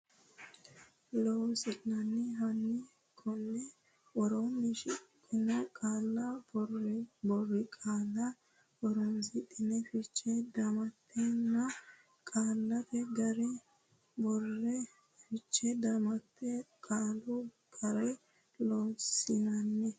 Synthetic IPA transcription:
lɔːwsɪnɐnːɛɦɐnːɪ | kʰɔnːɛ | ʔɔɾɔnːɪʃɪkʼːɪnɛkʼaːlːɐrbɔrːɪkʼaːlːɐ | ʔɔɾɔnsɪt̪ʼːɪnɛfɪt͡ʃːɛd̪ɐmɐt̪ːɛnːɐ | kʼaːlːɐfɛɡɐɾɛ | bɔrːɛ | fɪt͡ʃːɛd̪ɐmɐt̪ʰːɛkʼaːlu | ɡ̥ɐɾɐj | lowsɪnɐnːɛ

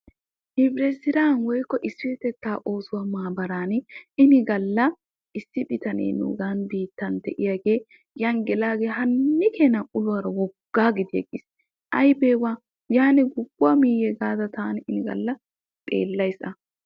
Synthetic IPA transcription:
ʔɪbɾɛsɪɾaːnwɔjkːɔʔɪsːɪwɛt̪ɛt̪ːaːʔo̞ːsʊwamaːbɐɾaːnɪnɪɡɐlːɐ | ɪsːɪbɪt̪ɐnḛːnṵɡanbiːt̪ːɐnd̪ɛʔɪjaɡeː | jɐnɡɛlaːɡeːɦɐnːɪkeːnɐʔʊlʊwaːɾɐwɔɡ̥ːaːɡɪd̪ɪjɐ̰ɡɪs | ʔɐjbeːwa | jaːnɛɡʊɡːʊamiːjɛɡaːd̪ɐt̪aːnɪnɪɡɐ̰lːɐ | t̪ʼḛːlːɐjsɐ

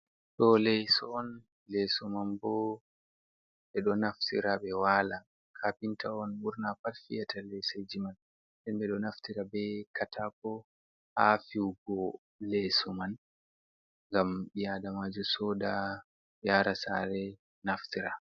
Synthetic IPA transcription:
ɗɔlɛjsɔɔn | lesumanbɔ | ɓɛɗɔnaftḭɾabɛwala | kʰapintaɔnmuɾnapalfijatalɛjsad͡ʒiman | ɗɛnbɛɗɔnaftiɾabɛkʰatʰapɔ | afiwɡɔ | lɛsuman | ŋɡamɓijadamad͡ʒusɔda | jaːɾasa̰ɾɛ | naftiɾa

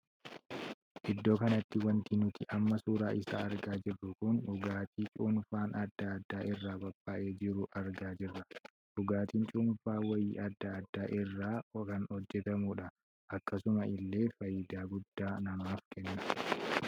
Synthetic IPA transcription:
ʔɪd̪ːo̞ːkɐnɐt̪ːɪwɐnt̪inʊt̪ɪʔɐmːɐsuːɾaːʔɪsa̰ːɐɾɡaːd͡ʒɪrːʊkʊnᶑʊɡaːt̪ʰiːt͡ʃʼuːnfaːnɐd̪ːaːd̪ːaːʔɪrːaːbɐbʼːaːʔe̞ːd͡ʒɪɾʊʔɐɾɡaːd͡ʒɪrːɐ | ᶑʊɡaːt̪iːnt͡ʃʼuːnfaːwɐjiːɐd̪ːaːd̪ːaːʔɪrːaːkɐnhɔd͡ʒːɛt̪ɐmuːᶑɐ | ʔɐkːɐsʊmɐʔɪlːe̞ːfɐjːɪd̪aːɡʊd̪̥ːaːnɐmaːfkʰɛnːɐ

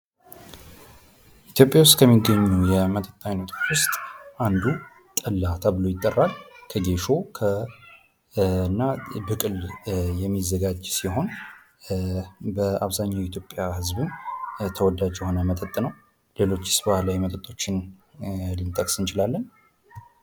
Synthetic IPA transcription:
ʔit̪ʰjo̞pʼjawʊst̪ʼkʰəmːiɡːəɲːujɛmət̪ʼət̪ʼːajnət̪ʰʼot͡ʃwʊst̪ʼʔand̪u | t̪ʼəlːat̪ʰabɨlo̞jɪt̪ʼːərːalkʰəɡe̞ʃo̞kʰə | ɨnːabɨkʼɨljɛmːizːəɡad͡ʒsiho̞n | bəaβzaɲːawjɛit̪ʰjo̞pʼːjahɨzbɨmt̪ʰəwɔd̪ad͡ʒjɛho̞nəmət̪ʼət̪ʼːnəw | le̞lo̞t͡ʃːɪ̥sbahlajmət̪ʼət̪ʼːo̞t͡ʃːɪn | lɨnt̪ʼəkʼsɨnt͡ʃɪlalːəɲ

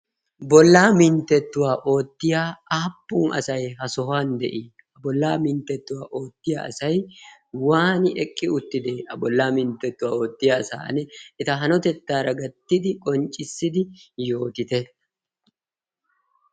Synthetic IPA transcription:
bɔlːaːmɪnt̪ːɛt̪ːʊwaːʔo̞ːt̪ːɪjaːaːpːʊːnʔɐ̰sɐjhɐsɔɦaːnd̪ɛ̰ʔiː | ɐbɔlːaːmɪnt̪ːɛt̪ːʊwaːʔo̞ːt̪ːɪja̰ːɐ̰sɐj | waːnɪʔɛkʼːɪʊt̪ːɪd̪eːɐbɔlːaːmɪnt̪ːɛt̪ːʊwaːo̞ːt̪ːɪjaːsa̰ːnɛɪt̪ɐɦɐnɔt̪ɛt̪ːaːɾɐɡɐt̪ːɪd̪ɪkʼɔnt͡ʃʼːɪsːɪd̪ɪjo̞ːt̪ɪt̪ɛ

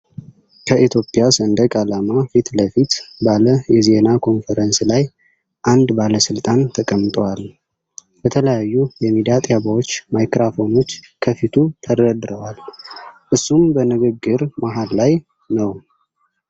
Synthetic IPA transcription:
kʰəʔit̪ʰjo̞pʼjasənd̪əkʼalamafit̪ləfit̪baləjɛze̞nakʰo̞nfəɾənslaj | ʔand̪baləsɨlt̪ʼant̪ʰəkʼəmːɨt̪ʼwal | b̥ət̪ʰələjajːujɛmid̪iat̪ʼjabawot͡ʃːmajkɾafo̞no̞t͡ʃːkʰəfit̪ʰut̪ʰəɾəd̪ɾəwalʔɨsːumbənɨɡɨɡːɨɾmaɦalːaj | nəw

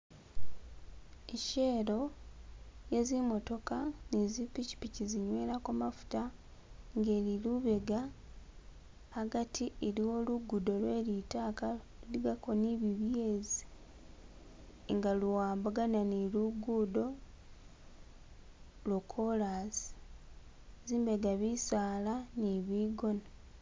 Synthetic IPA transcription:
eʃe̞ːɾo̞ | je̞zimo̞to̞kanizipici̥piciziɲwe̞ːɾakumafu̥ta | ŋɡe̞ːɾiluβe̞ɡa | ɡatʰieɾio̞luɡudo̞lwe̞ːlitaːka | luliɡakoniβiβje̞zi | ŋɡaluwaːmbuɡananiluɡudo̞ | lokʰolazi̥ | ziːmbeɡaβisaːlaniβiːɡo̞na

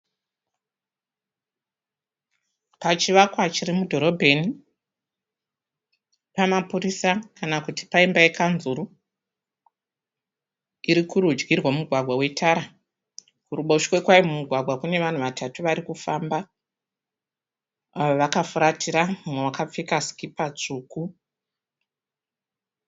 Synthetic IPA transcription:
pat͡ʃiʋakwat͡ʃirimudʱo̞ɾo̞bʱe̞ni | pamapuɾisakanakuti̥paimbaekanzuɾu | iɾikuɾud͡ʒɡirwamuɡʱwaɡʱwawe̞tʰaɾa | kuɾuɓoʃkwekwaimumuɡʱwaɡʱwakune̞ʋan̤uʋatʰatuʋaɾikufaːmba | aʋoʋakafuɾatʰiɾamumwewakap͡fikasi̥kipat͡ʂuːku

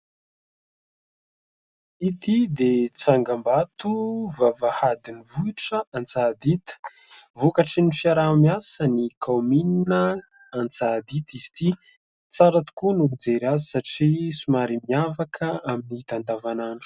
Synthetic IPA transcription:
it̪id̪et͡saŋɡambat̪uvavahad̪inivuiʈ͡ʂəant͡sad̪it̪ə̥ | vukaʈ͡ʂinifiaɾamiasənikʰawmininə | ant͡sad̪it̪iz̥i̥t̪i | t͡saɾat̪u̥kunud͡zeɾazisaʈ͡ʂisumaɾimiavakʰəaminit̪and̪avanaɳɖ͡ʐu̥

